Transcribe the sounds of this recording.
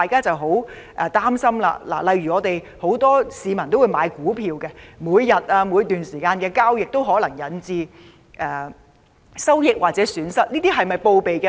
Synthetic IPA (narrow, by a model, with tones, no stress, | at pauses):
aː˨jkaː˥t͡sɐ˨wɦo˨˥w | ʔɛː˨t̪aː˥msɐ˥mla̰ː˧la̰ː˨˩lɐ˨jɥyː˨˩ŋɔː˨˧t̪e˨j | ho˨˥wt̪ɔː˥siː˨˧mɐ˨˩nt̪o˥wuː˨˧jmaː˨˧jkuː˨˥pʰiː˧wkɛ˧muː˨˧jːɐ˨˩t̚aː˧mu˨˧˥t̪yː˨nsiː˨˩kaː˧nkɛ˧kaː˥wjɪ˨k̚t̪o˥wɦɔː˨˥lɐ˨˩ŋjɐ˨˥nt͡siː˧ | ʔɛ˨ | sɐ˥wjɪ˨˥k̚waː˨t̚t͡sɛː˨˦˥syː˨˥nsɐ˥t̚niː˥t̪iː˥ɦɐ˨jmɐ˨jpo˧wpe˨jkɛ˧